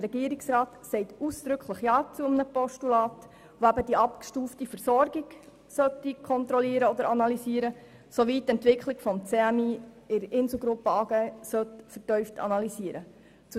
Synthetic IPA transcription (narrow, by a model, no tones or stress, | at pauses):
ɾɛɡiəɾiksɾɑːt̪sɛɪtuːsd̪̥ɾɵkʰləχjɑːt͡suəmnəpɔʃtulɑːt | ʋoæbədiɑpkʃtuːftifəɾsɔrɡiɡ | sœtːikʰɔnt̪ɾɔliəɾəɔd̪əɾɑnɑlisiːəɾə | soʋitːɛntʋɪkʰχliɡ̥fɔmt͡seæmi | ɪɾɪnsl̩ˠɡɾʊpːəɑːɡ̥ɛsœt̪fərtœʏftʰɑ̰nɑlisiəɾə | t͡su